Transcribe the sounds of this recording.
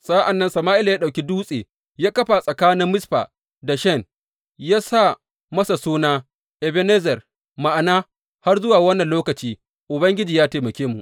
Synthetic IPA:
sʼaː˦ʔa˨nːɐ˦nsɐ˨maː˦ʔɪ˦la˨jaː˦ɗa˨wkʲi˦duː˦sʼeː˨ | jaː˦kɐ˦ɸa˨sʼɐ˨kaː˦nɪ˦mːɪ˦sɸa̰ː˨ | da˨ʃɛ˦˨n | jaː˦sa˦˨ | mɐ˦sa˨suː˦naː˦ | ʔɛ˨be˦ne˦zɛ˨r | ma˨ʔa˨naː˦ | ha˦rzʊ˦waː˨wɐ˦nːɐ˨nloː˦kɐ˨t͡ʃiː˦ | ʔʊ˨bɐ˦ŋɡʲɪ˦d͡ʒiː˨jaː˦teː˨mɐ˨kʲeː˦mu˨ʔ

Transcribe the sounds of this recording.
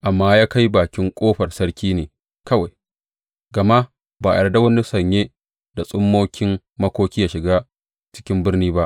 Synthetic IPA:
ʔa˨mːaː˦jaː˦ka˦jbaː˨kʲɪ˦ŋkʷʼoː˦ɸɐ˨rsɐ˦ɽkʲiː˦neː˨ | kɐ˦wa˨j | ɡɐ˨ma˦ | baː˨ɐ˨da˦wɐ˦ni˦sɐ˨ɲjeː˦ | da˨sʼʊ˦mːoː˦kʲʰɪ˦m | mɐ˦kʷoː˦kʲi˦jaː˦ʃɪ˨ɡaː˦ | t͡ʃɪ̥˦kʲɪ˦mbɪ˦rniː˦ba˦ʔ

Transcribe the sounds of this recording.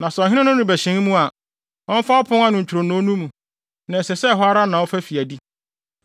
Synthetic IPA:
nã˨sɔ˨ɦɪ˦nɪ̃˦nʊ̃˦nʊ̃˦bæ˨ɕɪ̃˨˦ŋ˦mũ˦a˨ | ɔ̃˦m˦fa˦ɔ˦pʰʊ̃˦ŋa˦nʊ̃˨ɲ̩˨t͡ɕʰᶣu˨ɾo˨nʊ̃˨˦nũ˦mũ˨ | nã˨sɛ˨sɛ˦˨ɦɔ˦a˦ɾa˦nã˨wɔ˦fæ˦fi˨æ˨di˦

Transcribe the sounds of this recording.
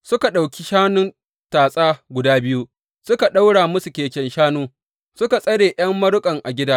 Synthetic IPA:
sʊ˦ka˨ɗa˨wkʲi˦ʃaː˦nʊ˦n | taː˨sʼaː˦ɡʷʊ˨daː˦bɪ˦ju˦ | sʊ˦ka˨ɗa˦wɽaː˨mʊ˦su˨kʲeː˨kʲɛ˨nʃaː˦nuː˦ | sʊ˦ka˨sʼɐ˦ɽeː˨j̰ɐ˦mːɐ˦ɾʊ˦kʼɐ˨ŋʔa˨ɡʲɪ˦daː˦

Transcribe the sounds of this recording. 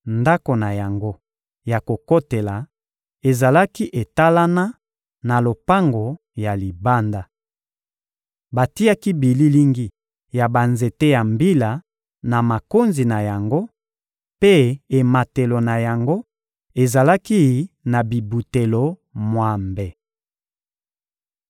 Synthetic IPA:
nda˦ko˨na˨ja˨ŋɡo˦ | ja˨ko˨ko˦te˨la˨ | e˨za˨la˦ki˦ʔe˨ta˦la˦na˦ | na˨lo˨pa˦ŋɡo˨ | ja˨li˨ba˦nda˨ | ba˨ti˦a˦ki˦bi˨li˦li˦ŋɡi˦ | ja˨ba˨nze˨te˦ja˨mbi˦la˨ | na˨ma˨ko˦nzi˨na˨ja˨ŋɡo˦ | pe˦e˨ma˨te˨lo˨na˨ja˨ŋɡo˦ | e˨za˨la˦ki˦na˨bi˨bu˨te˨lo˨mwa˨mbɛ˨

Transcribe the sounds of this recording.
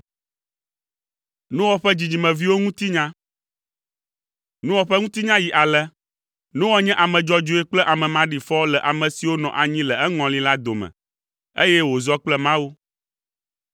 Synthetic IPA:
nũ˦wɔ˦ɸɛ˦d͡ʑi˨d͡ʑi˨mɛ̃˨vi˦wo˦ŋũ˦t̪i˦ɲã˦ | nũ˦wɔ˨ɸɛ˦ŋũ˦t̪i˦ɲã˦ji˨ʔa˨lɛ˦ | nũ˦wɔ˦ɲɛ̃˦ʔa˨mɛ̃˨d͡ʒɔ˦d͡ʒo˨˦ɛ˦k͡plɛ˦ʔa˨mɛ̃˨mã˦ɖi˨fɔ˦wo˦lɛ˨ʔa˨mɛ̃˨si˨wo˦nɔ̰̃˨ʔa˨ɲĩ˦lɛ˨ɛ˦ŋɔ̃˨lĩ˦la˦d̪o˨mɛ̰̃˨ | ḛ˦jɛ˦wo˨zɔ˦k͡plɛ˦mã˦wu˦

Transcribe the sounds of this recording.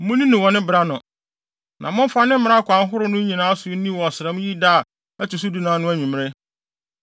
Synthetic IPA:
mʊ̃˦nĩ˦nʊ̃˨wɔ˨nɪ̃˦bɪ˨ɾa˦nʊ̃˨ | nʔã̰˨mʊ̃˦m˦fa˦nɪ̃˦m˦mɪ̃˦a˦kʷʰã˨n˦ɦʊ˦ɾʊ˦nʊ̃˦ɲĩ˨nãː˨˦a˦sʊ˨˦nĩ˦wɔ˨sɪ˨ɾɛ˨mʊ̃˦ji˦daː˦˨ | æ˦tu˨s̬u˦du˨nãː˨˦nʊ̃˦æ˦ɲĩ˨m˦ɾɛ˦

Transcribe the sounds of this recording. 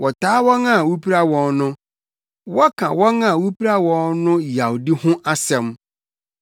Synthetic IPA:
wɔ˨taː˦wɔ˦ŋã˦˨wu˦pʰi˦ɾa˦wɔ̃˨nnʊ̃˦ | wɔ˦kʰã˨wɔ˦ŋã˦˨wu˦pi˦ɾa˦wɔ̃˨˦nnʊ̃˦ja˨wdi˦hʊ̃˦ʔa˦sɛ̃˨m

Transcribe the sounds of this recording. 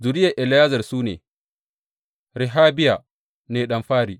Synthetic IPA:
zʊ˨ɾɪ˦ja˨ʔɪ˨lɪ˨jaː˦zɐ˨rsuː˦nḛː˨ | ɾɪ˨ɦaː˦bɪ˦ja˨ | neː˨ɗɐ˦mɸaː˦ɾiː˨

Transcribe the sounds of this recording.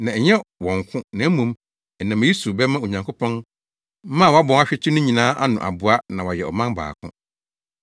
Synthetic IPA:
nã˨ɛ˨ɲɛ˦wɔ̃˨ŋ˨kʰʊ̃˦nã˨˦mũ˨˦m | ɛ˨nã˨m˨˦i˦su˨bɛ˦mã˦o˨ɲã˨ŋkʰo˦pʰɔ̃˦n˦ | mã˦˨wa˦bɔ̃˨ŋa˦ɕᶣɪ˦t͡ɕʰɪ˦nʊ̃˦ɲĩ˨nãː˦ʔa˦nʊ̃˨ʔa̰˨bu˨a˦nã˨wa˨jɛ˨ɔ̰˨mã˦nba̰ː˨kʰʊ̰̃˦

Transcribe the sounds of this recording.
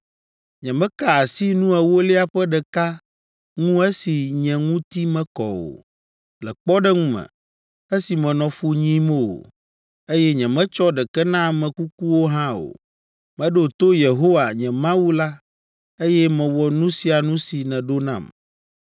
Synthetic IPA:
ɲɛ̃˨mɛ̃˦ka˦a˨si˦nũ˦ɛ˨wo˦li˦a˨ɸɛ˦ɖɛ˨ka˦ | ŋũ˦ɛ˦si˨ɲɛ̃˨ŋũ˦t̪i˦mɛ̃˦kɔ˨wo̰˨ | lɛ˨k͡pɔ˦ɖɛ˦ŋũ˦mɛ̰̃˨ | ɛ˦si˨mɛ̃˨nɔ̃˨fu˦ɲĩ˦mo˦˨o̰˨ | e˦jɛ˦ɲɛ̃˨mɛ̃˦t͡ʃɔ˦ɖɛ˨kɛ˦nã˦˨mɛ̃˨ku˦k̚u˦wo˦ɦã˦o̰˨ | mɛ̃˨ɖo˦˨t̪o˦je˨ɦo˦wa˨ɲɛ̃˨mã˦wu˦la˦ | e˦jɛ˦mɛ̃˨wɔ˨nũ˦si˨a˨nũ˦si˨nɛ̃˨ɖo˦nã̰˨m

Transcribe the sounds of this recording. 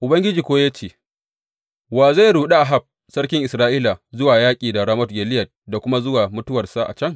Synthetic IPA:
ʔʊ˨bɐ˦ŋɡʲɪ˦d͡ʒiː˨kʷoː˦jaː˦t͡ʃeː˨ | waː˨za˦˨jɽuː˨ɗa˦ʔa˨ɦa˦˨b̚ | sɐ˦rkʲɪ˦ŋʔɪ˨sɾaː˦ʔiː˦la˨zʊ˦waː˨jaː˦kʲʼiː˨da˨ɽa˦mɔ˦t̚ɡʲeː˨lɪ˦jɐ˨t̚da˨kʷʊ˦ma˦zʊ˦waː˨mʊ˦tʊ˦wɐ˨rsa˦ʔa̰˨t͡ʃɐ˦ŋ

